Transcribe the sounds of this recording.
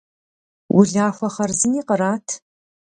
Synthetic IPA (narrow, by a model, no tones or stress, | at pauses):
wʔʊɮaːxʷɐχɐrzɨniːqəɾaːtʰ